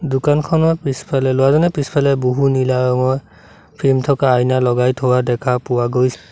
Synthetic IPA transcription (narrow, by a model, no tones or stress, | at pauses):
dʊkankʰɔnɔpispʰalɛlowazɔnɛpispʰalɛboɦunilaɔŋɔj | pʰimtʰɔkaːjnalɔɡajtʰowadɛkʰapʊwaɡojs